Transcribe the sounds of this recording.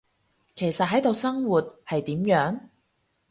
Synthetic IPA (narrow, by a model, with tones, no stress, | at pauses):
kʰe˨˩jsɐ˨t̚ɦɐ˨˥jt̪o˨wsɐ˥ŋwuː˨t̚hɐ˨jt̪iː˨˥mjœː˨˥ŋ